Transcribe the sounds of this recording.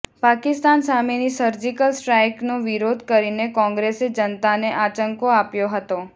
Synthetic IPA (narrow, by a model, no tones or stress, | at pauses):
pakɪst̪ansamenisəɾd͡ʒikəlsʈɾajknoʋiɾod̪ʱkəɾinekɔ̃ŋɡɾesed͡ʒənt̪aneʔat͡ʃəŋkoapjoɦət̪o